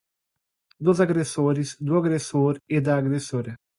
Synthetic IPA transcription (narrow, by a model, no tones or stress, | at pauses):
d̪ozaɡɾesoɾɪzd̪ʊaɡɾesoɾed̪aːɡɾesoɾɐ